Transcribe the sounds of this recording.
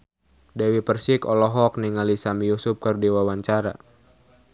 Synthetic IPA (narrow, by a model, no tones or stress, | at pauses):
dɛwipərsikɔlɔɦɔk̚niŋalisamijusʊp̚kɨrdiwawaɲt͡ʃaɾa̰